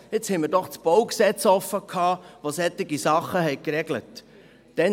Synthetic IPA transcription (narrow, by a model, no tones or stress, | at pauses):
ɪt͡shɛɪmɪɾdɔχt͡sb̥ɔwksɛt͡sɔfːəkʰhɑːʋosɛt̪ːɪɡisɑχːəhɛɪkɾɛɡlət | d̥ɛn